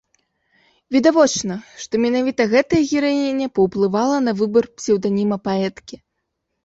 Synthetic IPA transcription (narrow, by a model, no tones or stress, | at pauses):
vʲid̪avɔt͡ʂnɐʂt̪ɔmʲɛnavʲit̪ɐɣɛt̪ɐjɐɣʲiɾajinʲɛpɐwplˠɨvalˠɐnɐvɨbɐrpʲsʲɛwd̪anʲimɐpaɛt̪kʲi